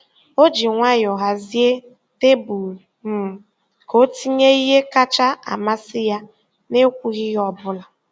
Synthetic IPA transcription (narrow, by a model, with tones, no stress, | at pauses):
o˦d͡ʒi˨ŋʷa˦ɲjɔ˨ɦa˨zi˦e˦ | te˦bu˨ | m̩˨ | ko˦ti˦ɲe˦i˦ɦe˦ka˦t͡ʃa˦a̰˨ma˦sɪ˦ja˦ | ne˦kʷu˦ɣi˦ɣɔ˨bʊ˦la˨